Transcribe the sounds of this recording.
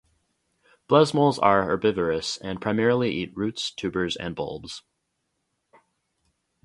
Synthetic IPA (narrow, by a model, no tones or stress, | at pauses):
b̥lʌzmɔlˠzə˞ə˞bɪvə˞ɨsɨ̃npʰɹ̥aɪmɛɹl̩ˠiʔit̚ɹʉtstʰʉbə˞zɨ̰̃nbo̰lˠbz̥